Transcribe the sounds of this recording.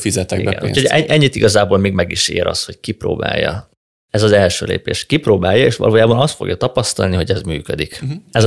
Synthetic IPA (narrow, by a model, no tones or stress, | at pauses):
fizɛt̪ːɛɡḭbɛɛ̰nṵchoɟɛʔɛɲːit̪iɡɒzaːboːlmeːɡmɛɡiʃeːɾʔɒ̰st̪ho̞ckipro̰ːba̰ːjːɒ | ɛzɒzɛlʃøːlḛːpḛːʃkiproːbaːjːɒeːʃʋɒ̰loːjaːbɒnɒst̪fo̞̰ɡjɒt̪ɒpɒst̪ɒlniɦo̞ɟɛzmyːkød̪ikɛz